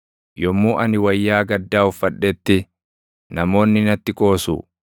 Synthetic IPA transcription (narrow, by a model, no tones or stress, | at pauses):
jɔmːuːʔɐnɪwɐjːaːɡɐd̪ːaːʊfːɐᶑːɛt̪ːɪ | nɐmo̞ːnːɪnɐt̪ːɪkʼo̞ːsṵː